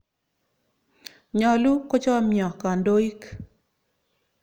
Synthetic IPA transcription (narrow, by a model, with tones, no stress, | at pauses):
ɲɔ˨lu˦ko˦t͡ʃɔ˦mjɔ˨ka˨ndo˦i˦k